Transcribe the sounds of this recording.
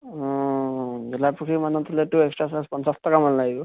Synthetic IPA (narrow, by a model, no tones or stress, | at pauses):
ɔ̃ | bɛlapukʰimanɔt̪ɔltuɛkstɹasaspɔnsastɔkamanlaɡibɔ